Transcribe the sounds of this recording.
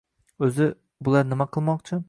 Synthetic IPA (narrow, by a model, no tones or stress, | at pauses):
ɵzɪ | bʊlˠaɾnɪmaqʰɨlˠmɒqt͡ʃʰɪ